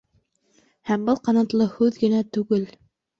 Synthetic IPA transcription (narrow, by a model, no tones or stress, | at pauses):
hæmbɤlˠqɑnɑt̪lˠɤhʉðɡɘ̆næt̪ʉɡɘl